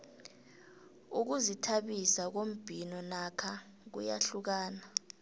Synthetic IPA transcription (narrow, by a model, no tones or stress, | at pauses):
uk̬uzitʰaɓisak̬om̩b̥ʱinɔnakʰa | k̬ṵja̰ɬuk̬aːna